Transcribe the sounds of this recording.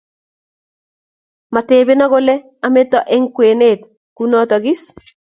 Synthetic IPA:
ma˨teː˨be˦nɔ˦ɡo˦lɛ˦ | a˨me˦tɔ˨ʔɛ˦ŋkwe˨ne˦˨t | ku˦nɔ˦t̪ɔ˨ɡɪ˦s

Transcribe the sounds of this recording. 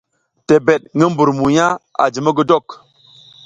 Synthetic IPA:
te˨be˨t̚ŋə˦m˦bu˨ɾmu˨ja˦a̰˨d͡ʒi˨mə˦ɡə˦dɔ˦˨k

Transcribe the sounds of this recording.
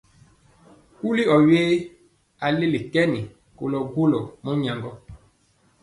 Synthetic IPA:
u˦li˦ɔ˨weː˦ | a˨le˦li˨kɛ˦ni˨ | ko˨lɔ˨ɡwo˦lɔ˨mɔ˦ɲa˨ŋɡɔ˦

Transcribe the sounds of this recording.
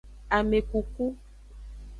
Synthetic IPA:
a˨me˨ku˨ku˦

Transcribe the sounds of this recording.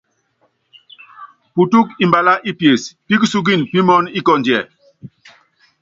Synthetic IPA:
pu˨tu˦ki˨mba˨la˦ʔi˦pje˨spi˦ksu˦ɡ̬i˦˨npi˦mɔ˦ni˦kɔ˦nd͡ʒjɛ˨

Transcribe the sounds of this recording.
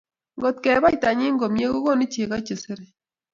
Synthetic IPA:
ŋɡo˨t̪̚kɛ˨ba˦jta˨ɲɪ˦ŋɡo˨mje˦ko˦ko˦ni˦t͡ʃe˨ka˦t͡ʃe˨se˦ɾe˨

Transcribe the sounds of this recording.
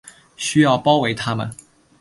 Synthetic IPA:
ɕy˥jɑ˥˨ʊpɑ˥ʊwe˧˥ɪt̪ʰa˥mə̰˨n

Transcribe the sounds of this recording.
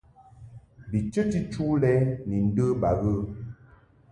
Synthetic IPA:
bi˨t͡ʃə˦ti˦t͡ʃu˦lɛ˦ni˨n̩˦də˦ba˨ɣə˦

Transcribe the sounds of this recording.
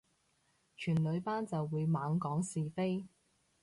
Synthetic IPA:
t͡ʃʰyː˨˩nlɵ˨˧ɥpaː˥nt͡sɐ˨wːuː˨˧jmaː˨˧ŋkɔː˨˥ŋsiː˨fe˥j

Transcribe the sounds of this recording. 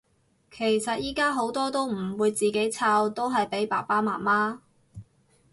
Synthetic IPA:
kʰe˨˩jsɐ˨t̚jiː˥kaː˥ɦo˨˥wt̪ɔː˥t̪o˥wm̩˨˩wuː˨˧jt͡siː˨ke˨˥jt͡sʰaː˧wt̪o˥wɦɐ˨jpe˨˥jpa̰ː˨˩paː˥maː˨˩maː˥

